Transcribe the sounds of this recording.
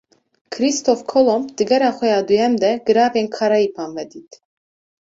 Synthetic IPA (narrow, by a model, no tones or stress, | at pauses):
kʰɾist̪ʰɔfkʰɔlɔmd̪̥əɡɛɾaχɛjad̪ujɛmd̪ɛɡəɾavɛnkʰaɾaipʰanvɛd̪it̪ʰ